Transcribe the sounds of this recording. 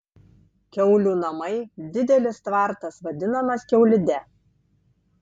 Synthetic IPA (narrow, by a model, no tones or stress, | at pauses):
kʲɛʊlʲuːnɐmɐɪd̪ʲɪd̪ʲɛlʲɪst̪ʋɑˑɾt̪ɐsʋɐd̪ʲɪnɐmɐskʲɛʊlʲɪd̪ʲɛ